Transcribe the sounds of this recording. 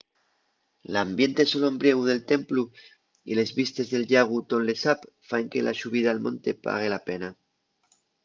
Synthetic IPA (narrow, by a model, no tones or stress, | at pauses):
lambje̞nt̪eso̞lombɾje̞ɣ̞uð̞e̞lt̪e̞mplu | ḭle̞zβist̪e̞zðe̞lʎaɣ̞ut̪o̞nle̞sap | faeŋkelʔa̰ʃuβ̞iðaːlmõ̞nt̪e̞pa̰ɣ̞e̞lape̞na